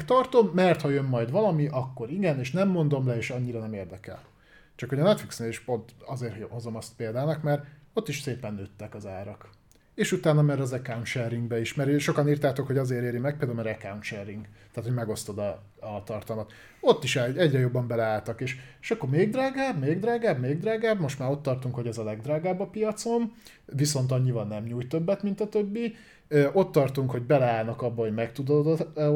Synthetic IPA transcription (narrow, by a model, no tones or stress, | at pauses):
kt̪ɒrt̪o̞mːɛrt̪hɒjømːɒjd̪ʋɒlɒmiʔɒkːo̞ɾiɡɛneːʃnɛmːo̞nd̪o̞mlɛeːʃɒɲːiɾɒnɛmeːrd̪ɛkɛ̰l | t͡ʃɒkho̞ɟɒnɛt̪fliksneːliʃpo̞nt̪ɒzeːrho̞zo̞mɒst̪peːld̪aːnɒkmɛɾ | o̞t̪ːiʃseːpɛnːøt̪ːɛkɒzaːɾɒk | eːʃut̪aːnːɒmɛɾɒzɛkaunʃɛrːiŋɡbɛiʃmɛɾøʃokɒniːrt̪aːt̪o̞kho̞ɟɒzeːɾeːɾimɛk̚peld̪alomɛɾɛkawnʃɛriŋɡt̪ːaːt̪ho̞ɟmɛɡo̞st̪o̞d̪ɒ | t̪ɒrt̪ɒlmɒt̪ | o̞t̪ːiʃɛɛɟrɛjo̞bːɒmbɛlɛaːlt̪ɒkeːʃeʃɒkːoɾmeːɡd̪raːɡaːbmeːɡd̪ɾaːɡaːbmeːɡd̪raːɡaːbmo̞ʃt̪maːɾo̞t̪ːɒrt̪uŋkho̞ɟɛzɒlɛɡd̪raːɡaːbːɒpijɒt̪so̞n | viso̞nt̪ɒɲːivɒnɛmɲuːjt̪ø̞bːɛt̪mint̪ɒt̪øbːi | øʔo̞t̪ːɒrt̪uŋkho̞ɟbɛlɛaːlnɒkɒbːɒɦo̞ɟmɛkt̪ud̪od̪